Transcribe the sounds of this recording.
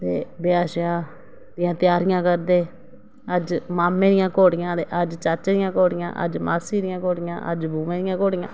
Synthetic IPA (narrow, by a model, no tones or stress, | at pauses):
t̪eːbɪaːʃjaː | d̪ɪjãːt̪ɪjaːɾɪjãːkəɾd̪eː | əd͡ʒmaːmẽːd̪ɪjãːkoːɽɪjãːt̪eːʔəd͡ʒt͡ʃət͡ʃɾɪjãːkoːɽɪjã̰ːʔə̰d͡ʒma̰ːsiːɾɪjãːkoːɽɪjã̰ːʔə̰d͡ʒbʱuːʋẽːd̪ɪjãːkoːɽɪjã̰ː